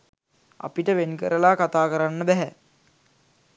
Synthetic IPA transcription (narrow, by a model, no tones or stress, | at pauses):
a̰piʈəʋenkəɾəlaːkat̪aːkəɾanːəbɛɦɛ